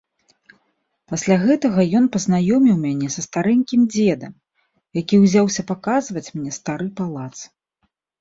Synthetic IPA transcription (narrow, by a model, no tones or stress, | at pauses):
pasʲlʲaɣɛt̪ɐɣɐjɔnpɐznajɔmʲiwmʲanʲɛsɐst̪aɾɛŋʲkʲimd͡zʲɛd̪ɐ̰m | jakʲiwzʲawsʲɐpakazvɐt͡sʲmnʲɛst̪aɾɨpalˠat̪s